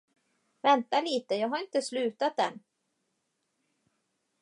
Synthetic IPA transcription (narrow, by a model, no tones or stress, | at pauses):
vɛnt̪aliːt̪əjɑːɡɦaɾɪnt̪əslʉ̟ːt̪at̪̚d̪ɛn